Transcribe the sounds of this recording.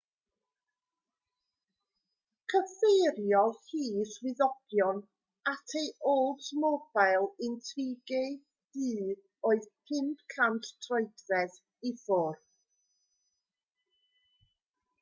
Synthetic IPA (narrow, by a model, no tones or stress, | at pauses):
kʰəfejɾjɔhiːswɪðɔɡ̥jɔn | atʰejʔolˠtmɔb̥ajlˠɪntʰriɡe | d̥ɨː | oːɨðpʰɪnpkʰantʰtʰrɔɨpθɛð | ifɔr